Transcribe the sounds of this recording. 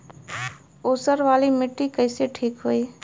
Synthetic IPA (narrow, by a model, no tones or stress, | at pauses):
osəɾʋalimiʈːikəɪseʈʰikɦoi